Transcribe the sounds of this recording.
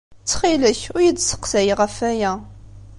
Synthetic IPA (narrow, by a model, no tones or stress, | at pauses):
t͡sːχiləçʊɾjədsə̥qsæjəʁəfæjæ